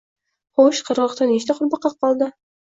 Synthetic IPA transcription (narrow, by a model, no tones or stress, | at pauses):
χoʃqʰəɾʁɑqt̪aneʃt̪aqʊɾbɑqːɑq̚ʰːɒlˠd̪ɪ